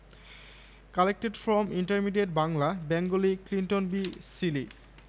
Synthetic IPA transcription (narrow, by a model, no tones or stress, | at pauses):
kalek̚ʈeɖfɾɔmiɳʈəɾmiɖeʈ̚baŋlabɛŋɡoliklinʈonbisili